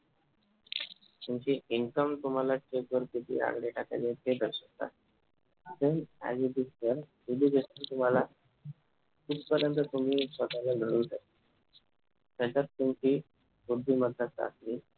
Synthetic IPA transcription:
t̪umt͡ɕiʔiŋkəmt̪um̤alat͡ɕekʋəɾkit̪ʰḭːa̰ɡɽeʈʰaka̰let̪ʰed̪ʱəɾɕək̚t̪a̰t̪ | d̪ena̰d͡ʑud̪ist̪əɾ | ud̪ʱiːɡ̪ʱesunt̪um̤ala | kut̪pəɾjənt̪ət̪um̤iːət̪aləɡʱəɽuːd̪ak̪i | t̪jat͡ɕat̪ːumt͡ɕiː | bud̪ʱːiːməd̪ːət̪a̰siː

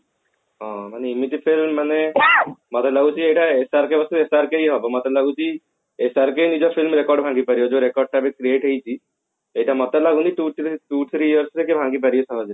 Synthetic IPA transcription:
ɦɔ̃maneimit̪ipʰilmːanemɔt̪elaɡut͡ʃʰiejʈaesaɾkebɔst̪uesaɾkeiɦɔbɔmɔt̪ɛlaɡut͡ʃʰi | esaɾkejnid͡ʒɔpʰilmɾekɔɾɖbʱãŋɡipaɾijɔd͡ʒoɾekɔɾɖ̚ʈabekɾieʈɦejt͡ʃʰi | eiʈamɔt̪ɔlaɡuniʈuʈut̪ʰɾijəɾsɾekebʱãŋɡip̬aɾiɔsɔɦɔd͡ʒɾi

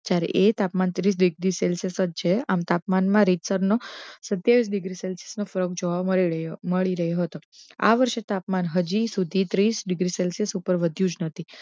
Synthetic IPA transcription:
d͡ʒjaɾḛʔet̪apmant̪ɾis̬ɖiɡɾiselsesəd͡ʒ̚t͡ʃʰeamt̪apmanmãɾit̪səɾnosət̪jaʋis̬ɖiɡɾiselse̥snofəɾək̚d͡ʒoʋaəməɭiɾəɦjoɦət̪oa̰ʋəɾʃet̪apmanɦəd͡ʒisud̪ʱit̪ɾisɖɪɡɾiselsesupəɾʋəd̪ʱjũd͡ʒnət̪ʰi

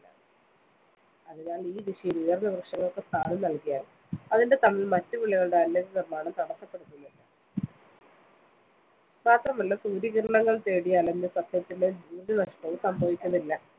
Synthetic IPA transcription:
ɐðinaːliːd̪iʂijinujɐrnɐʋrɨʂɐŋːɐɭokːest̪ʰaːlɨnɐlkijaːn | ɐðinde̞t̪ɐmːilmɐtːɨʋiɭːɐɣɐɭuɽe̞ɐlːɐd͡ʑɐnirmaːɳɐmt̪ɐɽɐsːɐpːe̞ɽut̪ːunːilːɐ | maːt̪rɐmɐlːɐsuːɾiːɣɐɾɐɳɐŋːɐɭt̪e̞ːɽijaːlend̪esɐd̪ʰjɐt̪ːileduːrɾunɐʂʈɐʋusɐmbʱɐʋikʲːunːilːɐ

